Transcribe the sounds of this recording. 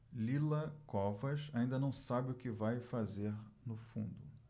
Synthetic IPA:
lilɐkɔvɐʃaĩnd̪ɐnɐ̃w̃sabɪʊkɪvajfazeɾnʊfṵ̃nd̪ʊ

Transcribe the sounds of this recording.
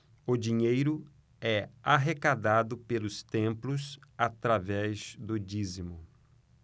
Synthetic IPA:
ʊd͡ʒiɲejɾʊ | ɛaɦekad̪ad̪ʊpelʊst̪ẽmplʊsat̪ɾavɛzd̪ʊd͡ʒizimʊ

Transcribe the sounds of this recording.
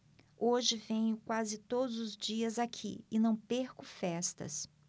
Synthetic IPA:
oʒɪvẽɲʊkwazɪt̪od̪ʊzʊzd͡ʒiɐzakʰḭɪnɐ̃w̃peɾkʊfɛst̪ɐ̰s

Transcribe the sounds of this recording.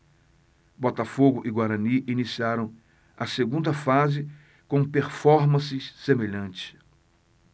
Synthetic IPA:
bɔt̪afoɡʊʔiɡwaɾɐ̃niʔinisiaɾɐ̃w̃ | ɐseɡũnd̪ɐfazɪ | kõpeɾfɔɾmɐ̃sɪssemeʎɐ̃nt͡ʃɪ̥

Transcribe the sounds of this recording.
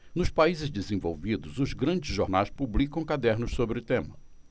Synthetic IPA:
nʊspaizɪzd̪ɪzẽvo̰wvid̪ʊzʊzɡɾɐ̃d͡ʒɪzʒoɾnajspublikɐ̃w̃kad̪ɛɾnʊssobɾɪʊt̪ẽmɐ

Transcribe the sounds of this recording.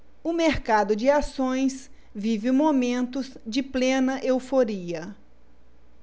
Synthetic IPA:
ʊmeɾkad̪ʊd͡ʒɪasõj̃s | vivɪmomẽnt̪ʊzd͡ʒɪplẽnɐʔewfoɾiɐ

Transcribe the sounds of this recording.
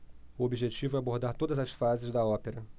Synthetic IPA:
ʊobiʒet͡ʃivʊɛaboɾd̪aɾt̪od̪ɐzɐsfazɪzd̪ɐɔpeɾɐ

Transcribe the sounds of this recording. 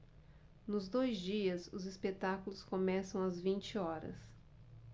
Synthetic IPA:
nʊzd̪ojzd͡ʒiɐzʊzispet̪akulʊskomɛsɐ̃w̃ɐzvĩnt͡ʃɪɔɾɐ̰s

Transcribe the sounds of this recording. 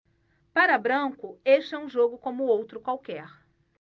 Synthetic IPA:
paɾɐbɾɐ̃kʊeʃɐũʒoɡʊkõmʊowt̪ɾʊkwawkɛɾ

